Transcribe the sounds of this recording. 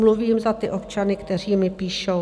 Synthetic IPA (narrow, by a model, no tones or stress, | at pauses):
mluviːmzat̪ɪʔo̞p̚t͡ʃanɪkt̪ɛr̝iːmɪpiːʃo